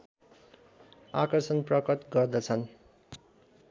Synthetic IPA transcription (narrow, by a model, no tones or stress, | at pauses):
a̰kʌrsʌnprʌkʌt̪ɡʌrd̪ʌt͡sʰʌn